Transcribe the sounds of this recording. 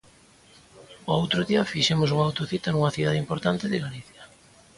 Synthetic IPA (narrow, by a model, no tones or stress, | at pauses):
oowt̪ɾʊðiɐfiʃɛmʊs̬uŋawt̪oθit̪anuŋɐθiðaðeimpoɾt̪ant̪ɪðɪɣaliθjɐ